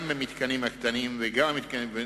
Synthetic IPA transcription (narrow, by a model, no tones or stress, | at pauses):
memit̪kanimhakt̪animveɡammit̪kanive